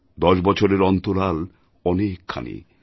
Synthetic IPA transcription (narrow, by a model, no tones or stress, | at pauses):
d̪ɔʃbɔt͡ɕʰoɾeɾɔnt̪oɾal | ɔnekʰːa̰nḭ